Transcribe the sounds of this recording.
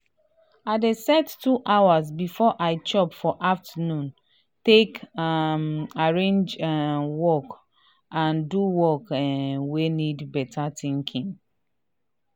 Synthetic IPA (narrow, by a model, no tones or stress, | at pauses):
adesɛtːuʔawaz̬bifɔʔaɪt͡ʃɔpfɔʔaftanũn | tekmaɹẽnd͡ʒwɔk | ãnduwɔkwenidbɛtʰatĩŋkʰĩŋ